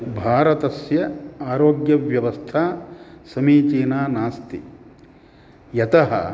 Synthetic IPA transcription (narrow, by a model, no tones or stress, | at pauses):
bʱaːɾɐt̪ɐsjɐaːɾoːɡjɐʋjɐʋɐst̪ʰaːsɐmiːt͡ʃiːnaːnaːst̪ḭ | jɐt̪ɐɦɐ̰